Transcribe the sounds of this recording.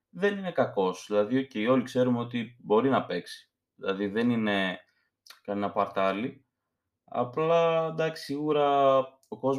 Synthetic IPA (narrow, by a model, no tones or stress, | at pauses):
ðe̞nine̞kɐko̞sðilɐðioceio̞likse̞ɾumo̞t̪ibo̞ɾinɐpe̞ksi̥ | ðilɐðiðe̞nine̞ | kɐnenɐpɐɾt̪ɐli | ɐ̰plɐd̪ɐksi̥siɣuɾɐ | o̞ko̞z